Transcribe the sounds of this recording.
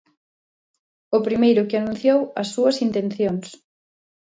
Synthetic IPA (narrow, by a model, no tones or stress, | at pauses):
ʊpɾimejɾʊkɪanũnθjowɐsːuɐsint̪enθjoŋs